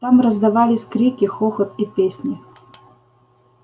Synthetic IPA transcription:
t̪amrɐzd̪ɐvalʲɪsʲkɾʲikʲɪxɔxɐt̪ipʲesʲnʲɪ

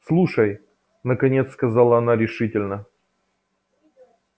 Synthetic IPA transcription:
slˠuʂəj | nəkɐnʲe̞t̪skɐzalˠəɐnaɾʲɪʂɨtʲɪlʲnə

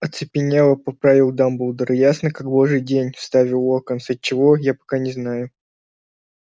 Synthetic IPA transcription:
ɐt̪sɨpʲɪnʲevˠəpɐpɾavʲɪlˠd̪ambulˠd̪əɾɨjasnəkaɡ̚boʐɨjdʲenʲst̪avʲɪlˠokənsət̚ʲt͡ɕːɪvojapɐ̥kanʲɪznajʊ

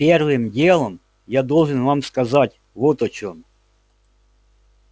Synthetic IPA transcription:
pʲɛrʋɪmdʲɛlˠɔm | jad̪ɔlˠʒɨnʋamskɐzɑtʲ | ʋɔt̪ɔt͡ʃʲɔm

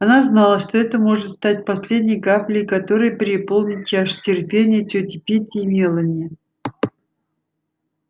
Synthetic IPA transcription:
ɐnaznalˠəʂt̪o̞ɛt̪əmo̞ʐɨt̪st̪at̚ʲpɐsʲlʲedʲnʲɪjkaplʲɪjkɐt̪o̞ɾɨjpʲɾʲɪpo̞lˠnʲɪt̪̚t͡ʃaʂtʲɪrpʲenʲɪjətʲɵtʲɪpʲetʲɪːmʲelˠənʲɪjə

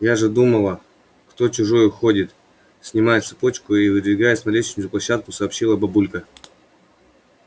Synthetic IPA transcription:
jaʐɨd̪uməlˠə | kt̪o̞t͡ɕʊʐojʊxo̞dʲɪt̪ | sʲnʲɪmajɪt̪sɨ̥po̞t͡ɕkʊivɨd̪vʲɪɡajɪsʲmɐɾʲet͡ɕɪnʲʊplˠɐɕːat̪̚kʊsɐːpɕilˠəbɐbulʲkə

